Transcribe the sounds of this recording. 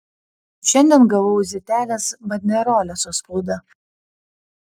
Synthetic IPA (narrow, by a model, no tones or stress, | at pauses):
ʃʲɛnʲd̪ʲiɛnɡɐʋɔʊzʲɪt̪ʲæːlʲesbɐd̪ʲnʲɛɾoːlʲɛsospuːd̪ɐ